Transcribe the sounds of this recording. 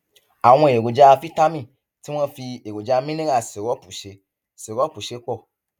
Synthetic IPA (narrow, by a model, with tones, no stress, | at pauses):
a˨w̃ɔ̃˧˨e˨ɡo˨d͡ʒa˧fi˦ta˦mĩ˦˨ | ti˦w̃ɔ̃˦fi˧e˨ɡo˨d͡ʒa˧mĩ˦nĩ˦a˦˨se˨ɾɔ˦pu˨ʃe˨˦ | se˨ɾɔ˦pu˨ʃe˨˦k͡pɔ˦˨